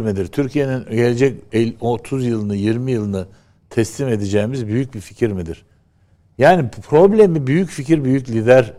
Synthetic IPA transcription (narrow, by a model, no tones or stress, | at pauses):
ɾmid̪iɾt̪ʰyɾcʰije̞ninɟe̞lʲe̞d͡ʒɛcɛlot̪ʰuzjɯlˠɯnɯjiɾmijɯlˠɯnɯ | t̪ʰɛst̪ime̞d̪id͡ʒɛjimizbyjyc̚bifi̥cʰiɾmid̪iɾ̥ | jaːnipʰɾo̞blʲemibyjycficiɾbyjyclʲid̪æɾ